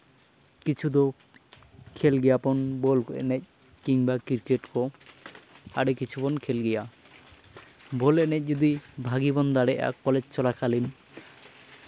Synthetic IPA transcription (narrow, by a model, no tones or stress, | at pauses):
kit͡ʃʰud̪ɔ | kʰelɡɛjapɔnbɔlkɔʔɛ̰nɛc̚ | kiŋbakiɾkeʈkɔ | a̰ɽekit͡ʃʰubɔnkʰelɡɛja | bɔlɛnɛc̚d͡ʒud̪ibʱaɡibɔnd̪aɽɛʔa̰kɔled͡ʒt͡ʃɔlakʰalin